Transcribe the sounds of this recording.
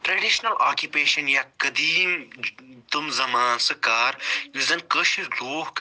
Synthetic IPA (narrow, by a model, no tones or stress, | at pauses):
ʈɾeɖiʃnɐlʔaːkjupeːʃɐnjaːkɐd̪iːm | t̪umzɐmaːnsɨkaːɾjuzɐnkəʃloːhk